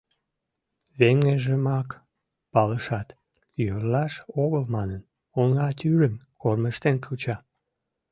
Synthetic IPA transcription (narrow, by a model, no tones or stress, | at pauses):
βeŋeʒəmɑk | pɑləʃɑt̪ | jørlɑʃoɣəlmɑnən | oŋɑt̪yɾəmkorməʃt̪enkʰut͡ɕɑ